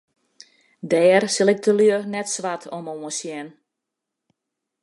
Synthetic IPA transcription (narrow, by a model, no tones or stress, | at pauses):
dɛːrsɪlˠɪk̚tʰəlyənɛtsʋatʰɔmoəsjɛn